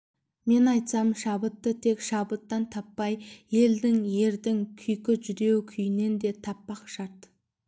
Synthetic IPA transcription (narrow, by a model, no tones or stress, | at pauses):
me̞nɑjt̪sɑmʃɑbət̪ːət̪ʰe̞kʃɑbət̪ːɑnt̪ʰɑpːɑjje̞ld̪ɪŋje̞ɾd̪ɪŋkʲʰʏjkʲɪʒʏɾe̞wkʲʰʏjɪne̞nd̪e̞t̪ʰɑpːɑqʃɑɾt̪